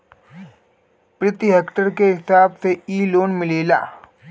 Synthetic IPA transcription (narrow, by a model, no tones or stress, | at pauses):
pɾɪt̪iɦeːkʈəɾkeɦɪsaːbseiːloːnmɪleːla̰ː